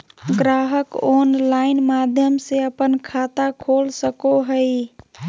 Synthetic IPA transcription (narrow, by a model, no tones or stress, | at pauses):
ɡɾaːɦəkoːnlaɪnmad̪ʱjəmseəpənkʰat̪akʰolsəkoɦəj